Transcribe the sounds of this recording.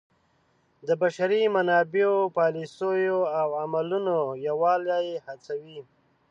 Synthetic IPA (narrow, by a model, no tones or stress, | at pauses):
d̪əbaʃaɾimanɑbeopɑlisojoawamalunojawɑljɑjehat͡sawi